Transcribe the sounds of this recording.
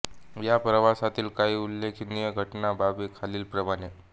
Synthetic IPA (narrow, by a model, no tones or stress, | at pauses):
japɾəʋasat̪iːlkaɦiːulːekʰinijəɡʱəʈnababikʰaliːlpɾəmaɽ̃e